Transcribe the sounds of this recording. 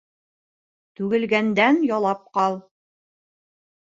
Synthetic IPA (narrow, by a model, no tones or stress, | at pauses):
t̪ʉɡɘ̆lɡænd̪ænjɒlˠɑp̚qɑlˠ